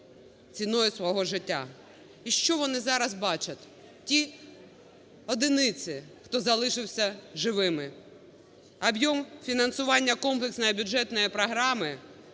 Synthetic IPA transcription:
t͡sʲinɔjʊsʋɔɦɔʒɪtʲːa̰ | iʃt͡ʃɔʋɔnɪzɑɾɐzbɑt͡ʃɐt̪ʲ | tʲi | ɔd̪ɪnɪt͡sʲɪxt̪ɔzɐlˠɪʃɪwsʲɐʒɪʋɪmɪ | ɐbjɔmfʲinɐnsʊʋɑnʲːɐkɔmplˠeksnɔjbʲʊd͡ʒɛt̪nɔjipɾɔɦɾɑmɪ

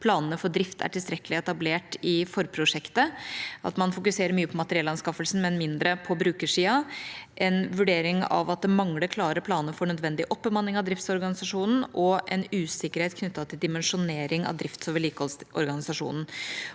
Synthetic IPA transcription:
pʰlɑːnənəfɔɖɾɪft̪ʰæ̰ʈʰɪlst̪ɾɛkːəlɪɛt̪ɑbleːʈɪfɔɾpʰɾʊʂɛkt̪əʔɑ̰t̪mɑnfʊkʉseːɾəɾmyːəpʰɔmɑt̪əɾɪɛlɑnskɑfəlsn̩mɛnmɪnd̪ɾəpʰɔbɾʉːkəʂiːɑʔɛnʋʉɖeːɾɪŋɑ̰ʋɑt̪̚d̪ɛmɑŋləɾkʰlɑːɾəpʰlɑːnəfɔɳœd̪ʋɛnd̪ɪʔɔpːəmɑnːɪŋɑʋd̪ɾɪft̪sɔɾɡɑnɪsɑʂuːnn̩ɔʔɛnʉːsɪkəɾheːt̪kʰnʏt̪ːɑt̪ʰːɪld̪ɪmɛnʂʊneːɾɪŋɑ̰ʋd̪ɾɪft̪sɔːʋəliːkəhɔlsɔ̰ɾɡɑnɪsɑʂṵːnn̩

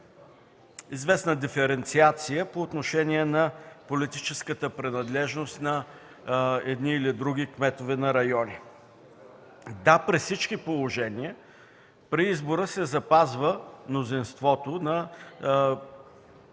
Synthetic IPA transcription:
izvɛsnəd̪ifɛɾɛnt̪siat̪sijəpoːt̪noʃɛniɛnɐpolit̪it͡ʃɛskət̪əpɾinɐd̪lɛʒnost̪nɐ | ɛd̪niːlid̪ɾuɡ̟ʲikmɛt̪ovɛnɐɾɐjɔni | d̪apɾissit͡ʃkipolˠoʒɛniə | pɾiizboɾəsɛzɐpazvəmnozinst̪vɔt̪onɐ

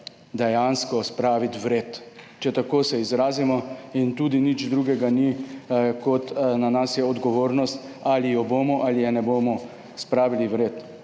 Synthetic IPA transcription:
d̪ɛjanskɔspɾaːʋit̪ʋɾeːt̪ | t͡ʃɛt̪akoːsɛizɾaːzimɔint̪uːd̪inid͡ʒd̪ɾuːɡɛɡanikɔt̪nanasjɛɔd̪ɡɔʋoːɾnɔst̪ | alijɔboːmɔʔalijɛnɛboːmɔ | spɾaːʋiliʋɾeːt̪

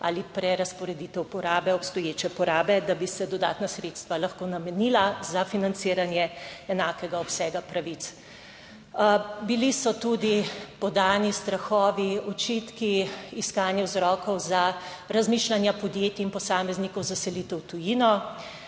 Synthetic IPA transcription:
a̰lipɾɛɾaspɔɾɛd̪it̪ɛwpɔɾaːbɛɔpst̪ɔjeːt͡ʃɛpɔɾaːbɛd̪abisɛd̪ɔd̪a̰ːt̪nasɾeːt̪st̪ʋalaxkoːnamɛnilazafinant̪siːɾanjɛɛnaːkɛɡaɔpsɛːɡapɾaʋit̪s | bilisɔt̪ud̪ipɔd̪aːnist̪ɾaxɔːʋiɔt͡ʃit̪kiiskaːnjɛwzɾɔːkɔwza | ɾazmiːʃlanjapɔd̪jeːt̪iːnpɔsaːmɛznikɔwzasɛlit̪ɛwt̪ujinɔ

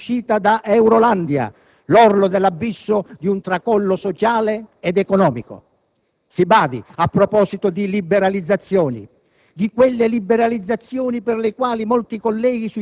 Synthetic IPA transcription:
ʃːiːt̪ad̪aʔɛwɾoland̪ja̰ | lɔrlʊd̪ɛlːabːisːʊd̪iunt̪ɾakɔlːʊsɔt͡ʃaːleɛd̪ɛkɔnɔːmikʊ̰ | sibaːd̪iapːɾɔpɔːsit̪ʊd̪ilibɛɾalid̪zːat̪sːjɔːnḭ | d̪ikwɪlːelibɛɾalid̪zːat̪sːjɔːnipɪrlekwaːlimɔlt̪ikolːɛːɡisu

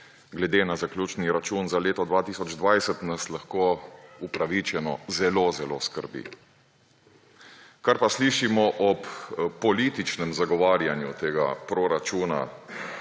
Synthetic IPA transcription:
ɡlɛd̪eːnazaklʲjuːt͡ʃniɾat͡ʃuːnzaleːt̪ɔd̪ʋaːt̪iːsɔd͡ʒd̪ʋajsət̪naslaxkoːupɾaʋit͡ʃɛnɔ̰zɛloːzɛlo̰skə̰ɾbḭ | kaɾpasliːʃimɔʔɔppːɔliːt̪it͡ʃnɛmzaɡɔʋaːɾjanjut̪eːɡa̰pɾoɾat͡ʃuːna̰

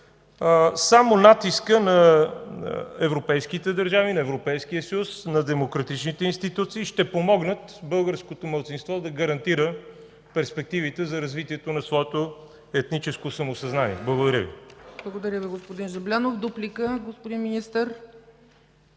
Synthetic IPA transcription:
samonat̪iskənɐ | ɛvɾopɛjsk̟it̪ɛd̪ɐɾʒavinɐɛvɾopɛjsk̟iəsəjusnɐd̪ɛmokɾɐt̪it͡ʃnit̪ɛinst̪it̪ut̪siːʃt̪ɛpomɔɡnət̪bɤlˠɡəɾskot̪omɐlˠt̪sinst̪vɔd̪ɐɡəɾɐnt̪iɾə | pɛɾspɛk̚t̪ivit̪ɛzɐɾɐzvit̪iɛt̪onɐsvɔɛt̪o | ɛt̪nit͡ʃɛskosɐmosɐznanḭɛblˠəɡod̪ɐɾʲəvḭblˠəɡod̪ɐɾʲəviɡospod̪inʒɐblʲanofd̪uplʲikəɡospod̪inminist̪əɾ

